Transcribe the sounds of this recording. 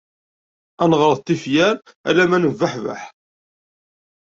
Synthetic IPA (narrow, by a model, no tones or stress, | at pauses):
ænʁəɾˤəðt̪ːifjæɾ | æ̰læmænəvːəħvæ̰ħ